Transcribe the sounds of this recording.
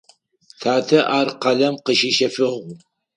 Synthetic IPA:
tʰaːtʰɐʔaːrqɐlɐmqəʃɪʃɐfɨʁʷ

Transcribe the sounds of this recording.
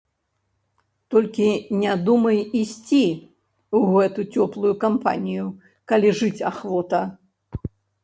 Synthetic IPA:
t̪ɔlʲkʲinʲad̪umɐjisʲt͡sʲi | wɣɛt̪ut͡sʲɔplˠujukampa̰nʲiju | kalʲiʐɨt͡sʲaxvɔt̪ɐ

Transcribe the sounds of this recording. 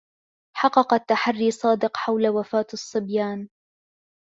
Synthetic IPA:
ħɑqːɑqɑt̪ːaħarːiːsˤɑːd̪ɪqħawlawafaːt̪ɨsˤːɨbjaːn

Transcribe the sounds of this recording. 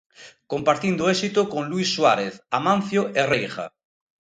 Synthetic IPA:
kompaɾt̪ind̪oesit̪okõnluisːwaɾeθamãnθjoʔerejxa̰

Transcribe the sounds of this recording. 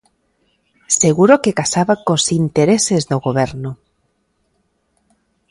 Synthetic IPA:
seɣuɾokekasaβakosint̪eɾesezðoɣoβeɾno

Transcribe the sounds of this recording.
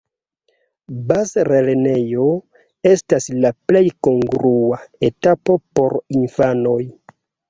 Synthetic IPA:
basɾelene̞jo̞ | e̞staslaple̞jko̞ŋɡɾuae̞tapo̞po̞ɾinfano̞j

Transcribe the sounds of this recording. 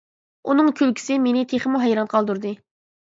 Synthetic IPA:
unɨŋkʲʰølkʲʰi̥sɪmenɪt̪ʰeχɪmuɦɛjɾɑnqʰɑlˠd̪uɾd̪ɨ

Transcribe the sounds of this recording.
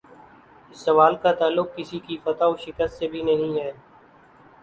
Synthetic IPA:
ɪsːɐʋaːlkat̪aːlːʊk̚kɪsikifɐt̪aːoʃɪkəst̪sebʱinɐɦĩɦɛː

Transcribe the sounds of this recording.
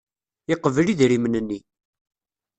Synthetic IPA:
ɪqːəvliðɾimnənːi

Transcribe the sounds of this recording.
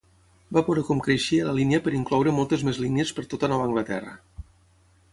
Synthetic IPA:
bapoðɛkomkɾeʃiələliniəpəɾiŋklɔwɾəmɔlˠt̪əzmezliniəspəɾt̪ot̪ənɔβəːŋɡlət̪ɛrə̰

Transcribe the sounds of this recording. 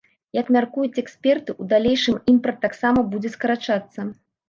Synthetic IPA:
jɐkmʲarkujut͡sʲɛksʲpʲɛrt̪ɨʔud̪alʲejʂɨmimprt̪ːaksamɐbud͡zʲɛskɐɾat͡ʂat̪sːɐ

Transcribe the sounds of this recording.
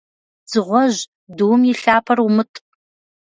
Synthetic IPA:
z̥ɨʁʷɔʑ | duwmjɪɬaːpʰɐrwʊmɨtʰʼ

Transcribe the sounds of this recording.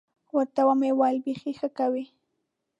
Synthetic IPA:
wat̪awamawalbiχɪhakawɪ

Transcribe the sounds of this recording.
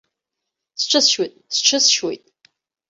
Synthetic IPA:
sʈ͡ʂʷʰɨsʃwejtʼsʈ͡ʂʰɨsʃwejtʼ

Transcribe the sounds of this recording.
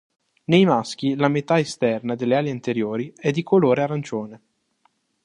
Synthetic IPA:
nejmask̟ilamet̪aest̪ɛrnad̪elːeaːleint̪eɾjoːɾiɛd̪ːikoloːɾearant͡ʃoːne

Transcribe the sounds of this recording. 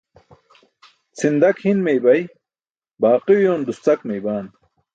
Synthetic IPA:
t͡sʰind̪ɐkhinmejbɐj | baːqiwjoːnd̪ust͡sɐkmejbaːn

